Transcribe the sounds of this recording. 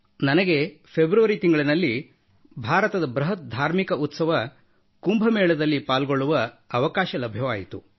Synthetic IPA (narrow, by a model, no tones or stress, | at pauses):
nɐnɐɡe̞pʰebɾuʋɐɾit̪iŋɡɐɭinɐlːi | bʱaːɾɐt̪ɐd̪ɐbɾɐɦɐt̪̚d̪ʱaːɾmikɐʔut̪sɐʋɐ | kumbʱɐmɛːɭɐd̪ɐlːipaːlɡoɭːuʋɐːʋɐkaːʃɐlɐbʱjɐʋaːjit̪u